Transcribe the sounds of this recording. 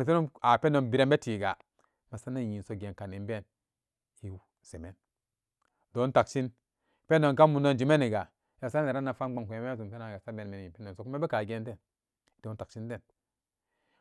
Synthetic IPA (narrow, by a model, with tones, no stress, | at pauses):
me˨s̬e˦no˦a˨pe˦no˨nbi˨ɾe˦mbe˦ti˨ɡa˨ | ma˨sa˦na˦ji˨n˨so˨˦ɡe˨nka˨ni˨m˦be˦˨n | i˦w | se˨me˦n | do˨˦ta˨kt͡ʃi˦n | pe˦no˨nka˦mu˨no˦nd͡ʒi˨me˦ni˨ɡa˨˦ | a˨sa˦n˦˨e˨ɾa˦na˨fa˦m˦ɡ͡ba˨ŋku˨e˨me˦zu˨mpe˦na˨ɡa˨sa˦be˨nme˨n˨i˨pe˦no˨so˨ku˦me˦be˦ka˨ɡe˦nte˦n˦ | do˨˦ta˨kt͡ʃi˦n˦te˦˨n